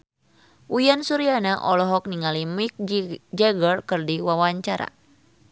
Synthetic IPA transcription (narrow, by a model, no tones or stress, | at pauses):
ʔujansuɾianaʔɔlɔɦɔk̚niŋalimik̚d͡ʒɛɡərkɨrdiwawaɲt͡ʃaɾa̰